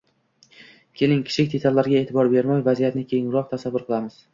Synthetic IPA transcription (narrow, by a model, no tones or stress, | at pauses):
kʲʰe̞lɪŋkʲʰɪ̥ʃʰɪkʲd̪e̞t̪ʰalːaɾɡʲae̞ːt̪ʰɪbɒɾbe̞ɾmajvazijat̪nɪkʲʰeŋɾɒqt̪ʰasavːʊɾqʰɨlˠamɪz̥